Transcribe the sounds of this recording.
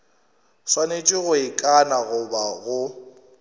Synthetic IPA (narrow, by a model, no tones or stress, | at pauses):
swanet͡ʃʼɪɣʊɪkʼanaɣʊbaɣʊ